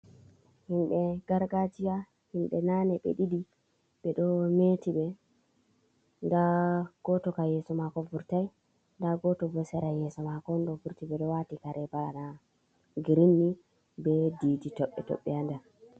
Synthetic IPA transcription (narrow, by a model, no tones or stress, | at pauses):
himɓɛɡ̥aɾɡad͡ʒija | himɓɛnanɛɓɛ̰ɗidi | ɓɛɗɔmetiɓɛ | ndaɡ̥ɔtɔkajɛsɔmakɔvuɾtaj | ndaɡɔtɔvɔsɛɾajɛsɔmakɔnɗɔvuɾtiɓɛɗɔwatikaɾɛbaana | ɡiɾinːi | bɛdiːditɔɓːɛ̰tɔ̰ɓːɛanda